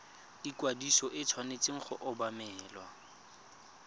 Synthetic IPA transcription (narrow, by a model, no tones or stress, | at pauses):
dikwadisɔʔɪt͡sʰwanet͡sʼɪŋ̩χʊ̰ʔʊbamɛːlwa̰